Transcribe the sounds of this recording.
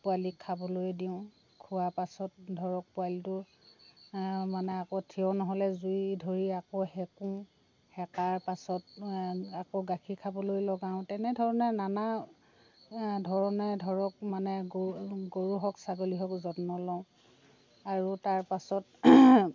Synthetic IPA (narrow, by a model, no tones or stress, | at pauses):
pʊalikʰabɔlojdiʊ̃ | kʰuwapasɔt̚dʱɔɹɔk̚pʊalitʊ | manɛakotʰiɔnɔɦɔlɛzujdʱoɹiakɔhɛkũ | hɛkaɹpasɔtakoɡakʰikʰabɔlojlɔɡaʊ̃tɛnɛdʱɔɹɔnɛnana | dʱɔɹɔnɛdʱɔɹɔk̚manɛɡɡoɹuɦɔksaɡoliɦɔkzɔtnɔlɔʊ̃ | aɹutaɹpasɔt